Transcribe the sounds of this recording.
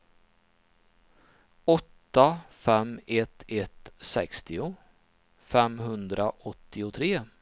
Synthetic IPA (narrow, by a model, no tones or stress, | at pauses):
ɔt̪ːafɛmːɛt̪ɛt̪sɛkst̪ɪʊ | fɛmɦɵnd̪ɾaʔɔt̪ːɪʊt̪ʰɾeː